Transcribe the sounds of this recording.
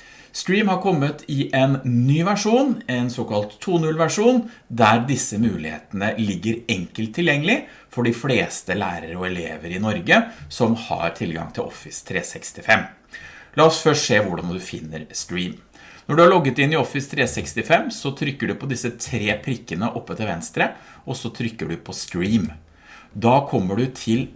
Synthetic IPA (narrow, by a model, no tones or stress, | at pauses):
sk̪ɾiːmhɑɾkʰɔmːət̪ʰɪʔɛnnyːʋæʂuːnɛnsoːkɑlt̪ʰːuːnʉlʋæʂuːnd̪æɾd̪ɪsːəmʉːlɪhḛːt̪ənəlɪɡːəɾɛŋkəlt̪ʰːɪljɛŋːəlɪ | fɔɖɪfleːst̪əlæ̰ːɾəɾəɔɛleːʋəɾɪnɔɾɡəsɔmhɑ̰ɾt̪ʰɪlɡɑ̰ŋt̪ʰɪlʔɔ̰fɪst̪ʰɾḛːsɛkst̪ɪfɛmː | lɑːɔsfœʂʂeːʋʊɖɑnd̪ʉfɪ̰nːə̰ɾskɾiːm | nɔɖʉhæɭɔɡːət̪ɪnːɪɔfɪst̪ʰɾeːsɛkst̪ɪfɛmːsɔt̪ʰɾʏkːəɖʉpʰɔd̪ɪsːət̪ʰɾeːpʰɾɪkːənəʔɔpːət̪əʋɛnst̪ɾə | ɔsɔt̪ʰɾʏkːəɖʉpʰɔskɾiːm | d̪ɑːkʰɔmːəɖʉt̪ʰɪl